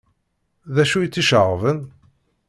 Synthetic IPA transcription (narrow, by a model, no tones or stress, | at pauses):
ðæʃujət͡sːiʃəʁvən